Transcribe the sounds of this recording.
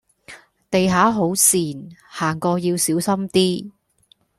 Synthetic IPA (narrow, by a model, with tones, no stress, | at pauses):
t̪e˨jɦaː˨˥ɦo˨˥wsiː˨˩nhaː˨˩ŋkɔː˧jiː˧wsiː˨˥wsɐ˥mt̪iː˥